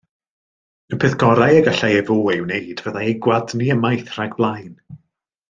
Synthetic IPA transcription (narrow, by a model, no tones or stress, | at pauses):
əpʰɪθɡ̥ɔɾajəɡaɬajɛvoːɪwneɨd̥vəðaɛɡwadniəmajθr̥aɡb̥lˠajn